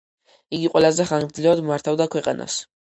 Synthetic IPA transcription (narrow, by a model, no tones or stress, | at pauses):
iɡiqʼwɛlazɛχanmd̪zlɛvad̪ummaɾt̪ʰavd̪akʰwɛqʼa̰nʔa̰s